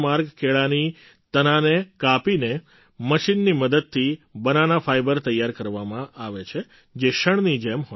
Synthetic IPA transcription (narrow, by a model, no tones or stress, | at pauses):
maɾɡkʰeɭani | t̪ənanekapine | məʃinːiməd̪əd̪̚t̪ʰibənanafajbəɾt̪əjːaɾkəɾʋamãʔaʋet͡ʃʰe | d͡ʒeʃəɳnid͡ʒemɦɔ